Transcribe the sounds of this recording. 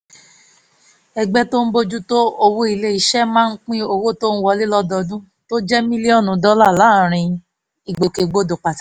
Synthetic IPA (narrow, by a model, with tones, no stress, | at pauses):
ɛ˧ɡ͡bɛ˦to˦n̩˦bo˦d͡ʒu˦to˦o˧wo˦i˧le˦i˨ʃɛ˦mãː˦˧n̩˦k͡pĩ˦o˧wo˦to˦n̩˦wɔ˧li˦lɔ˦dɔ˧dũ˦ | to˦d͡ʒɛ˦mĩ˦li˦ɔ˦˨nũ˨˦dɔ˦la˦˨la˨˦˨ɾ̃ĩ˧ | i˨ɡ͡bo˨ke˨˧ɡ͡bo˦do˨k͡pa˨tḁ˨